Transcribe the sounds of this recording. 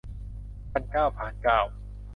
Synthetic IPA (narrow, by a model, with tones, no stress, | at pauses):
pa˥˨nkaː˥˩wpʰaː˨˩nkaː˥˩w